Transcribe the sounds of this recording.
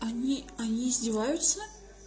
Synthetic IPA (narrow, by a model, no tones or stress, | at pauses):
ɐnʲiɐnʲiːzʲdʲɪvajʊt̪sə